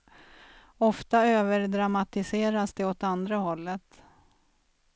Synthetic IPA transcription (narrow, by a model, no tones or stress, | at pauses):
ɔft̪aøːvəɾɖɾamat̪ɪseːɾasd̪ɛɔt̪and̪ɾaɦɔlːət̪